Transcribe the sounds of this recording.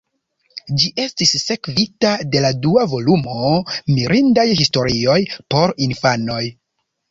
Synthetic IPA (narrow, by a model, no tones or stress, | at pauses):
d͡ʒiʔe̞stisːe̞kvitade̞laduavo̞lumo̞miɾindajhisto̞ɾio̞jpo̞ɾinfano̞j